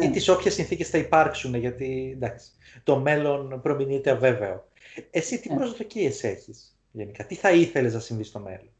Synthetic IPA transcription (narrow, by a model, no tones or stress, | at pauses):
it̪isopçesinθice̞sθɐipɐɾksuneʝɐt̪ind̪ɐksi̥ | t̪o̞me̞lo̞npɾo̞minit̪eɐve̞ve̞o | e̞sit̪ipɾo̞zðo̞cie̞se̞çis | ʝe̞nikɐt̪iθɐiθe̞le̞znɐsinðist̪o̞me̞̰lon